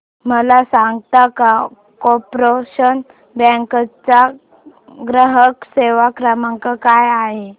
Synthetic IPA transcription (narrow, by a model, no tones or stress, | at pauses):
məlasãŋɡt̪aka | kɔpɾoɕən | bɛ̃ŋkət͡sa | ɡɾəɦəkseʋakɾəmaŋkakajaɦe